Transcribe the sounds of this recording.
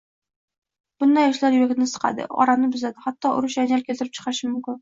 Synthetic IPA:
b̥ʊnd̪ajɒʃlaɾjʊjak̪ʲɪnɪsɨ̥qʰɑ̰d̪ɪ̰ɒ̰ɾanɪbɪzad̪ɪhat̪ːɒʔʊ̰ɾʊʃjanalkʲʰelɪɾɪp̚t͡ʃʰɨ̥qʰɑɪʃɪmʊmkʲɪn

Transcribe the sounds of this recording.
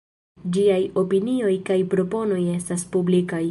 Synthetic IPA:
d͡ʒiajo̞pinio̞jkajpɾo̞po̞no̞je̞staspublikaj

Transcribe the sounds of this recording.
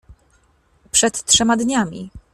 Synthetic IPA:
pʂɛt̪tʂɛmad̪ɲamʲḭ

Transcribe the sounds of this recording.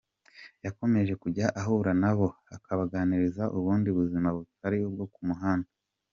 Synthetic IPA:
jako̞me̞ʒe̞kuɟaʔaɦuɾanaβo̞akʰaβaɡaniɾizaʔuβuːndiβuzimaβutaɾiub̚ɡokumuɦaːno

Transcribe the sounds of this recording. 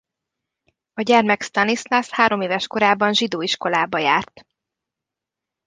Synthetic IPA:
ɒɟɛrmɛkst̪ɒnisnashaːɾo̞meːvɛʃko̞ɾaːbɒnʒid̪oːiʃko̞laːbɒjaːrt̪

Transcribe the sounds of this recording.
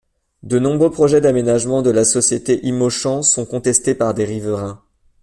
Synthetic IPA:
d̪ənɔ̃bʁøpχɔʒɛd̪amenaʒmɑ̃d̪əlasɔsjet̪eʔimoʃɑ̃sɔ̃kɔ̃t̪ɛst̪epaʁd̪eʁivəʁɛ̃

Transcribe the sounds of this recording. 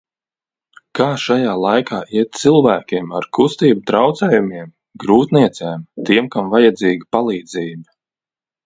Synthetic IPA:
kaːʃajaːlˠajkʰaːʔiɛt̪̚t̪silˠvæːkʲiɛmaɾkʰust̪iːbut̪ɾawt̪sɛːjumiɛm | ɡɾuːt̪niɛt̪sɛːmt̪iɛmkamvajad̪ziːɡʲipalˠiːd̪ziːbi

